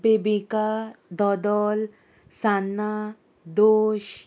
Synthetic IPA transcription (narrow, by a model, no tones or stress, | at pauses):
pebikad̪ɔd̪ɔl | sanːa | d̪oːʃ